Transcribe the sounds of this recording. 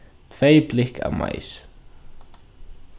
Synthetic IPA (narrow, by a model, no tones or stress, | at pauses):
t̪ʰveːjplɪhka̰ma̰ːjs